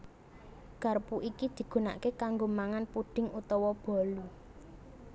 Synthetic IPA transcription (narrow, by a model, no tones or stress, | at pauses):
ɡ̥a̤rpuʔikid̪̥i̤ɡ̥ṳna̰ʔkekaŋɡomaŋanpuɖ̥ɪ̤ŋut̪ɔwɔb̥ɔ̤lu